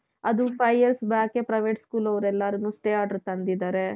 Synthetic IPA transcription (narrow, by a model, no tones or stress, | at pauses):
ɐd̪upʰɐjːɐɾsbaːkepɾɐjʋeʈskuːlɐʋɐɾɛlːaɾɐnːuːsʈeːaːɖɐɾt̪ɐnd̪id̪aːɾe